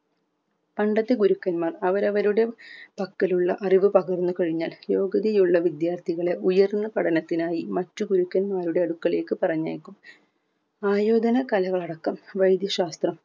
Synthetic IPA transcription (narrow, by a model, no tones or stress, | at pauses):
pɐɳɖɐt̪ːeɡuɾukːɐnmaːrɐʋɐɾɐʋɐɾuɽe̞pɐkːɐluɭːɐʔɐriʋɨpɐɣɐrnːukɐɻiɲːaːljo̞ːɡɐðijuɭːɐʋid̪jaːrt̪ʰiɣɐɭe̞ʔujɐrnːɐpɐɽɐnɐt̪ːinaːjimɐtːuɡuɾukːɐnmaːɾuɽe̞ɐɽukːɐɭe̞ːkːɨpɐrɐɲːa̰ːkʲːum | aːjo̞ːd̪ɐnɐkɐlɐɣɐɭɐɽɐkːɐmʋɐjd̪jɐɕaːst̪rɐm